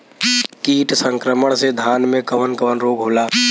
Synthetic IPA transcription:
kiːʈsə̃ŋkɾəməɽ̃sed̪ʱaːnmẽkəʋənkəʋənɾoːɡɦoːlaː

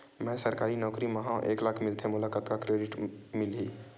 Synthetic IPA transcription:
mɛ̃səɾkaːɾinɔːkɾiməɦãʔeːklaːkʰmɪlt̪ʰemʊlakət̪kakɾeɖɪʈmɪlɦi

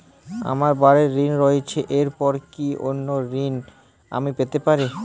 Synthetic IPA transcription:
a̰maɾbaɾeɾːinɾoet͡ɕʰeʔeɾpɔɾkiʔonːoɾin | a̰mipet̪epaɾi

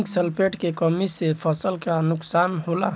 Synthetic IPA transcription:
ksəlpeːʈkekɔːmisepʰɔsəlkanʊksaːnɦoːla̰

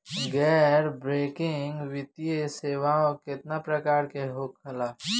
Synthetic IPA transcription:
ɡɛːɾbɾeːkɪŋɡwɪt̪ijeseːwaːõkɪt̪napɾəkaːɾkeɦoːkʰɐlaː

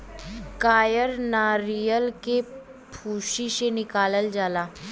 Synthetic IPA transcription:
kaːjəɾnaːɾijəlke | pʰuːʃisenɪkaːləld͡ʒaːlaː

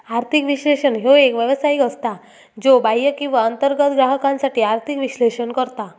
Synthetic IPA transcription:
aɾt̪ʰikʋiɕleɕənɦoekʋjəʋsaikəst̪a | d͡zobajəkĩw̃ʋaənt̪əɾɡət̪ɡɾaɦəkãnsaʈiːaɾt̪ʰikʋiɕleɕənkəɾt̪a

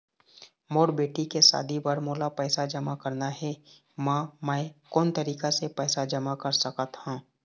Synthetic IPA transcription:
moːɾbeːʈikesa̰ːd̪ʱibəɾmoːlapɛːsad͡ʒɐmakəɾnaɦɛ | mãːmɛ̃kɔːnt̪ɐɾiːkasepɛːsad͡ʒɐmakɐɾsəkət̪hãː

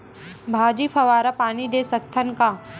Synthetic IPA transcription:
bʱaːd͡ʒipʰɐʋaːɾapaːnid̪eːsɐkt̪ʰənka

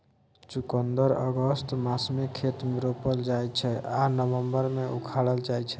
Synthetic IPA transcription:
t͡ʃukənd̪əɾəɡəst̪masmekʰet̪meɾopəld͡ʒajt͡ʃʰɛanəbəmbəɾmeukʰaɽəld͡ʒaɛt͡ʃʰɛ̥

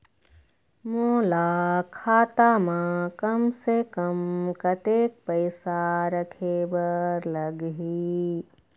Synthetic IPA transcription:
moːlaːkʰaːt̪amãkɐmsekɐmkɐt̪eːk̚pɐɪsaɾɐkʰeːbəɾlɐɡɦi

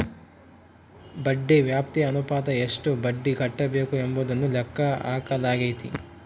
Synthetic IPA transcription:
bɐɖːeʋjaːp̚t̪iɐnupaːd̪ɐeʂʈubɐɖːiɡʱɐʈːɐbeːkuemboːd̪ɐnːulɛkːɐaːkɐlaːɡɐjt̪i

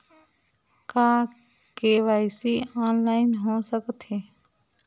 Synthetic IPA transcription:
kaː | keːʋaːɪsiɔːnlaːɪnɦoːsəkt̪eː

